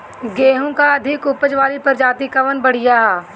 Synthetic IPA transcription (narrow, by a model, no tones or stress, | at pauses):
ɡeːɦõkaɐd̪ʱɪkʊpəd͡ʒʋaːlipɐɾd͡ʒaːt̪ikɐʋənbɐɽ̤ɪjaː